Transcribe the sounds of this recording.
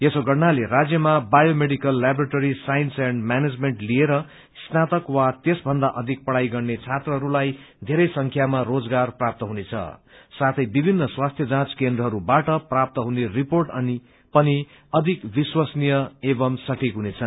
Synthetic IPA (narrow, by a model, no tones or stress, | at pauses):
esoɡʌɽnaleɾad͡zjʌmabajomeɽikʌlːabɾaʈoɾisajinsaɳɖmaned͡zmeɳʈlieɾʌ | snat̪ʌkwat̪esbʱʌnd̪aʔʌd̪ʱik̚pʌɽajɡʌrnet͡sʰat̪rʌɦʌɾulaj | d̪ʱeɾʌjsʌŋkʰjamarod͡zɡarprap̚t̪ʌɦunet͡sʰʌ̰sat̪ʰʌjbibʱinːʌswast̪ʰjʌd͡zãt͡skend̪rʌɦʌɾubaʈʌprap̚t̪ʌɦuneriporʈʌni | pʌni | ʌd̪ʱikbiswasnijʌebʌmsʌʈʰikɦunet͡sʰʌn